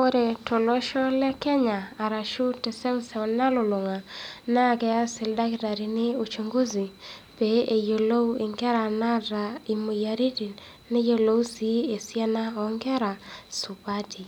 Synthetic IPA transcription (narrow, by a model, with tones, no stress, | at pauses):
o˦ɾe˨tɔ˨lɔ˦ʃɔ˦lɛ˦kɛ˦ɲaː˨ɾa˨ʃu˦tɛ˨sɛ˦sɛ˨wna˦lo˨lwo˨ŋa˨na˦˨kɛ˦a˦sɪ˨lda˦kda˨ɾi˨nɪ˦o˨t͡ʃo˨ŋɡo˦zi˨ | pe˨e˨jo˨lo˦u˦ɪ˨ŋɡɛ˦ɾa˨na˦ɾa˨i˨mo˨ja˨ɾi˦di˨ | nɪ˦jo˦lo˦u˦si˦e˨sjɛ˦na˦ɔ˨ŋɡɛ˦ɾa˨su˨ba˦ti˨